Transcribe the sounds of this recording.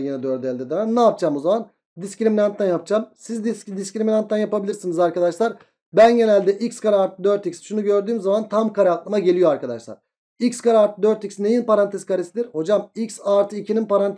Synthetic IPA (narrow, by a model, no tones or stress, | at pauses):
jinɛd̪øɾd̪ɛlʲd̪ed̪ɛmænnaːp̚d͡ʒʰamo̞zaman | d̪iscɾiminant̪ʰlænjap̚t͡ʃamsizd̪d̪iscɾiminant̪ːænjapabilʲiɾsinizaɾkad̪aʃlˠaɾ | bænɟe̞nælʲd̪ɛʔicskaɾaɾt̪ʰɯd̪øɾt̪icsʃunuɟø̞ɾd̪yːmzamant̪ʰamkaɾaaklˠɯmaɟe̞lʲijoaɾkad̪aʃlˠa̰ɾ̥ | icskaɾaɾt̪ɯd̪øɾt̪icsne̞jinpʰaɾant̪ʰɛskaɾisid̪iɾho̞d͡ʒamiksaɾt̪ʰɯicʰininpaɾant̪